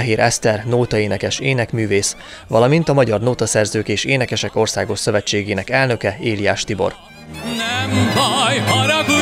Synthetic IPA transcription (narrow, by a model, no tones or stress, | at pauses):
ɛɦeːɾʔɛst̪ɛrnoːt̪ɒeːnɛkɛʃeːnɛkmyːveːs | ʋɒlɒmint̪ɒmɒɟɒrnoːt̪ɒsɛrzøːkeːʃeːnɛkɛʃɛko̞rsaːɡo̞ʃsø̞vɛt͡ʃːeːɡeːnɛkɛlnø̞kɛeːlijaːʃt̪ibo̞̰r | nɛmvɔjɦɒɾ